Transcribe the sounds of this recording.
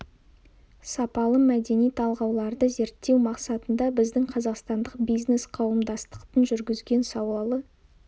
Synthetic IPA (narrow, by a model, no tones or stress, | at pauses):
sɑpɑlˠəmæd̪e̞nijt̪ʰɑlˠʁɑwlˠɑɾd̪əze̞ɾt̪ːe̞wmɑqsɑt̪ənd̪ɑbɪzd̪ɪŋqʰɑzɑqst̪ɑnd̪əqbijzne̞sqʰɑwəmd̪ɑst̪ə̥qt̪ənʒʏɾɡʲɪzɡʲe̞nsɑwlˠɑlˠə